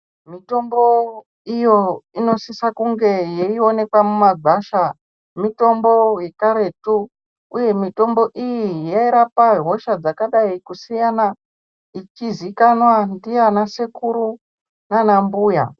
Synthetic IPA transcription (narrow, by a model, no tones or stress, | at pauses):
mito̞mbo̞ | ijo̞ino̞sisakuŋɡe̞jeio̞ne̞kwamumaɡaʃa | mito̞mbo̞je̞kaɾe̞tuː | je̞mito̞mbo̞ʔijijaiɾapaɦo̞ʃad͡zakaɗaikusijana | it͡ʃizikanwandijanasekuɾu | nanambuːja̰